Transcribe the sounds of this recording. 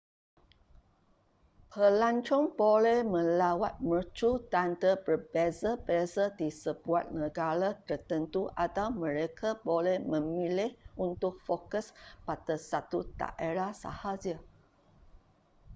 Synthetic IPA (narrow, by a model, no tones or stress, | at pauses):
pʰəlaɲt͡ʃɔŋbolɛhmə̃lawat̪̚mət͡ʃudant̪əbərbezəbɛzədisəbuat̪̚nəɡaɾat̪ərt̪ənt̪uʔadawmə̃ɾekʰabolɛhmə̃milɪhʔunt̪ʊk̚fokəspadasat̪ut̪a̰ʔeɾahsa̰had͡ʒə